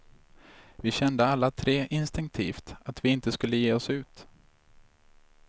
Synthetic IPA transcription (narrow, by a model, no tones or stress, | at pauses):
vɪɕɛnd̪əalːat̪ʰɾeːʔɪnst̪ɪŋk̚t̪ʰiːft̪at̪vɪɪnt̪əskɵlːəjeːɔsʉ̟ːt̪